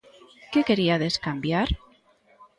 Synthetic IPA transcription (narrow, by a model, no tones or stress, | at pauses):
keke̞ɾiaðe̞skambjaɾ